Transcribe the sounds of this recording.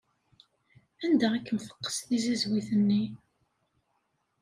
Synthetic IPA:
ænd̪æækːəmfə̥qːə̥sθizizwiθənːi

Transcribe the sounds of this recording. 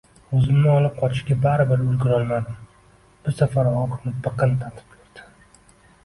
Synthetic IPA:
ɵzɪmnɪɒlˠɪp̚qʰɒt͡ʃʰɪ̥ʃɡʲabaɾɪbɪɾʊlɡʲɪɾɒlˠmad̪ɪ | b̥ɪɾsafaɾɒqʰɨmnɪpɨqɨnt̪ʰat̪ʰɪ̥p̚kʰʲeɾd̪̥ɪ̥

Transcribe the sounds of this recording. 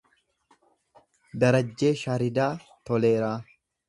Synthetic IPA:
d̪ɐɾɐd͡ʒːe̞ːʃaːɾɪd̪aːt̪ɔleːɾaː

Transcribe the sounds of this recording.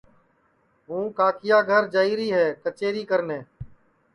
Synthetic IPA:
ɦũːkaːkɪjaːɡʱəɾd͡ʒaːiːɾiːɦɛːkət͡ʃeːɾiːkəɾnẽː

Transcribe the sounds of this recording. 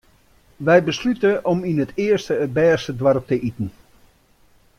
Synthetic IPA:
ʋɛjbəslytəʔɔminətʰɪərstəːt̚bɛːstədwarp̚təʔitən̩

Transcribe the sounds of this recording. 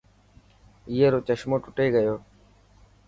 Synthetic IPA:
ɪjeːɾoːt͡ʃəʃmoːʈʊʈeːɡəjoː

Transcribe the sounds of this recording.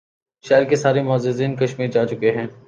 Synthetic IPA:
ʃɛːɾkesaːɾemɔːzɪziːnkɐʃmiːɾd͡ʒaːt͡ʃʊkeɦɛ̃ː

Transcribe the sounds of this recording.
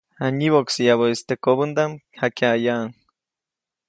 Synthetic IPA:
aniβoksijaβoist̪ekoβɨnd̪amhakeajaʔŋ

